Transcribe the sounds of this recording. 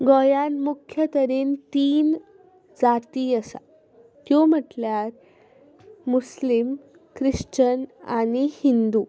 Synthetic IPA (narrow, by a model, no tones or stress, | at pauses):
ɡɔjanmukʰjət̪əɾent̪iːn | d͡zat̪iːəsa̰ | t̪jom̤əʈljaɾ | muslim | kɾiʂt͡ɕənanihind̪uː